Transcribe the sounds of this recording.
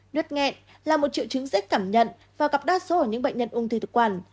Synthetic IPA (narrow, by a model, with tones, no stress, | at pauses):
nwi˦˥t̚ŋɛ̰˧˨n | laː˨˩mo˨˩t̚t͡ɕḭ˧˨wt͡ɕɨ˨˦ŋzk̟̚kːaː˧˩mɲə̰˧˨n | vaː˨˩ɣa˨˩p̚ɗaː˧˥so˨˦ə˧˩ɲɨ̰˧˥ŋɓə̰˧˨ɲɲə˧˨nʔu˧ŋt̪ɨː˧˩t̪ɨ˨˩kwaː˧˩n